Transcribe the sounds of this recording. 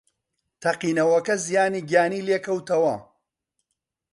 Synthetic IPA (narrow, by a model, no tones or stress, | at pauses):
t̪ʰɐqiːnɐwɐkɐzijaːniːɡjaːniːleːkɐwt̪ɐwɐ